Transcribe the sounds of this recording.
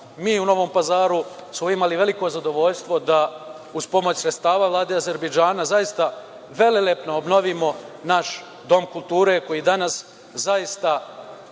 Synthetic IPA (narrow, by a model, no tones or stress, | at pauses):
miːuno̞ʋo̞ːmpazaːɾusmoimaliʋe̞liko̞zad̪o̞ʋo̞ʎst̪ʋo̞d̪a | uspo̞mo̞t͡ɕsɾet̪st̪aːʋaːvlˠaːd̪eaze̞ɾbed͡ʒaːnazajist̪a | ʋe̞lelepnoobno̞ʋimo̞naʃ | d̪o̞mkulˠt̪uːɾe̞ko̞jiːd̪anas | zajist̪a